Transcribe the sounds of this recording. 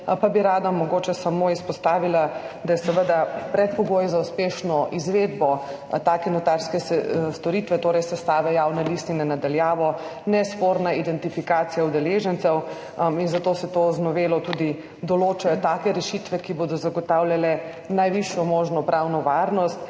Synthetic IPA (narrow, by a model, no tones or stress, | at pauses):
pabiɾaːd̪amɔɡoːt͡ʃɛsamoispɔst̪aːʋilad̪ajɛsɛʋəd̪apɾɛt̪̚pɔɡoːjzauspeːʃnɔʔizʋed̪bɔ | t̪aːkɛnɔt̪aɾskɛsst̪ɔɾiːt̪ʋɛt̪oːɾɛjsɛst̪aːʋɛjaːwnalist̪inɛnad̪aljaːʋɔnɛspoːɾnaid̪ɛnt̪ifikaːt̪sijaud̪ɛleʒənt̪sɛw | inzat̪oːsɛt̪oznɔʋeːlɔt̪uːd̪i | d̪ɔloːt͡ʃajɔt̪aːkɛɾɛʃit̪ʋɛkiboːd̪ɔzaɡɔt̪awljalɛ | najʋiʃjɔmoːʒnɔpɾʔawnɔʋaːɾnɔst̪